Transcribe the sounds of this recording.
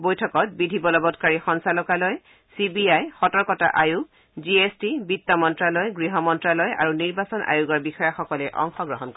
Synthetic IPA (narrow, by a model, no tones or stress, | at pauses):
bojtʰɔkɔt̚bidʱibɔlɔbɔtkaɹixɔnsalɔkalɔj | sibiajxɔtɔɹkɔta̰ʔajuɡ̚ | ziestibitːɔmɔntɹalɔjɡɹiɦɔmɔntɹalɔja̰ɹuniɹbasɔnʔa̰juɡɔɹbixɔjaxɔkɔlɛʔɔ̰ŋxɔɡɹɔɦɔnkɔ